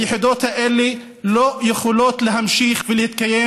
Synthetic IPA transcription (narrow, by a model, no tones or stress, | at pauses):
jɪħɪd̪oːt̪haʔeli | loːjexʊloːt̪leɦamʃiːxvɪlhɪt̪̚kajːe